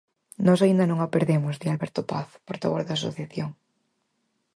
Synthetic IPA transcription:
nɔsaind̪anõŋapeɾðemʊzðialβɛɾt̪opaθpoɾt̪aβoɾðaːso̰θjaθjoŋ

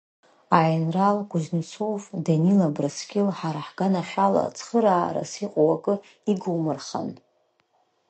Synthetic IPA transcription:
ainralɡʷʊʒnt͡sʰowfdanilabrɨskʲʰʼɪlħaɾaħɡ̥anaʃʷᶣala̰t͡sʰχəɾaːɾa̰siqʼowakʼɨ | iɡuwmɨrχa̰n

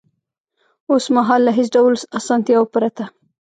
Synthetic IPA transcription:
osmaɦɑlːaɦɪsɖawlsɑsɑnt̪jɑwopəɾat̪a

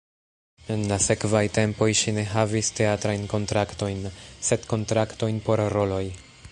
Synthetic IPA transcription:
e̞nlase̞kvajte̞mpo̞jʃine̞ɦaviste̞atɾajnko̞ntɾakto̞jnse̞dko̞ntɾakto̞jnpo̞ɾɾo̞lo̞j

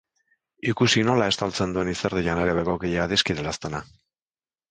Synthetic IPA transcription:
ikusino̞lae̞st̪alt͡se̞nd̪ue̞niseɾðiʎane̞ɾe̞βeɣo̞kiʎeaðiskiðelast̪ena

